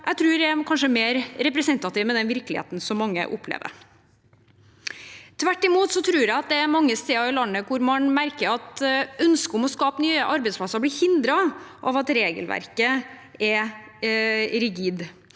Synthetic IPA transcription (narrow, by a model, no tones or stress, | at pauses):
ʔæɪt̪ʰɾʉːɾæækʰɑnʂəmeːɾɾɛpɾɛsɛnt̪ɑt̪iːʋmɛd̪ɛnʋɪɾklɪhḛːt̪n̩sɔmːɑŋːə̰ʔʊpʰːlḛːʋə̰ɾ | t̪ʰʋæʈːɪmuːt̪sɔt̪ʰɾʉːɾæɪɑt̪̚d̪ɛæɾmɑŋːəst̪eːɑɾɪlɑnːəkʊɾmɑnmæɾkəɾɑt̪œnskəʊmɔskɑːpənyːəʔɑɾbɛspʰlɑsəɾblɪhɪnd̪ɾɑʔɑ̰ʋɑt̪ɾeːɡə̰lʋæ̰ɾkəɛ | ɾɪɡiːd̪